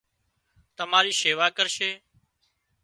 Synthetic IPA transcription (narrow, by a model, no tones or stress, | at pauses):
t̪əmaːɾiːʃeːʋaːkəɾʃeː